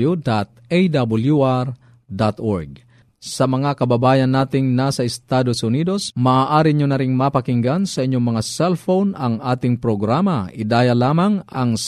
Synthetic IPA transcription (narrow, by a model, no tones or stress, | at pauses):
ud̪at̪̚ejd̪abuljuʔaɾ | d̪at̪ʔoɹɡ̚ | sɐmɐŋakɐbabaːjɐnːaːt̪ɪŋnasɐɪst̪aːd̪osʊniːd̪osmaːaːʔaːɾɪɲonɐɾɪŋmapɐkɪŋɡansɐʔɪɲːoŋmɐŋasɛlfownɐŋʔaːt̪ɪŋpɾoɡɾaːmɐʔɪd̪aːjɐlaːmɐŋɐŋs